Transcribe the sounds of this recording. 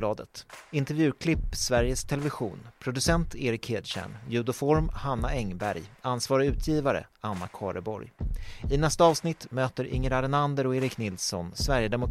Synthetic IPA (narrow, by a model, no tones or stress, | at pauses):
lɑːd̪ət̪ɪnt̪ɛɾvjʉ̟ːkʰlɪpːsvæɾjəst̪ʰɛlɛvɪɧṵːnpʰɾʊd̪ɵsɛnt̪eːɾɪkheːd̪ɕæ̰ɳjʉ̟d̪ʊfɔɾmhanːaɛŋbæ̰ɾjansvɑːɾɪʉ̟ːt̪ʰjiːvaɾə̰anːakʰɑ̰ːɾəbɔ̰ɾjɪnɛst̪aɑːvsnɪt̪ːmøːt̪əɾʔɪ̰ŋːəɾaɾɛnand̪əɾɔeːɾɪknɪlsɔ̰nsvæɾjəd̪ɛmʊ